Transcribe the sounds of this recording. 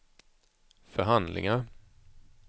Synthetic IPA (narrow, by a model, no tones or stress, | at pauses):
fœɾɦand̪lɪ̰ŋaɾ